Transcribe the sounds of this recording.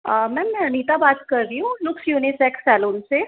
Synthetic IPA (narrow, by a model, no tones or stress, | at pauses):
mɛ̃mniːt̪abaːt̪kəɾɾiũlʊksjuːnisɛksɛːloːnse